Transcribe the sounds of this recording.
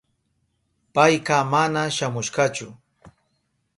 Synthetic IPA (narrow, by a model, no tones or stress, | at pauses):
pajqɑmanaʃamʊʃqɑt͡ʃʊ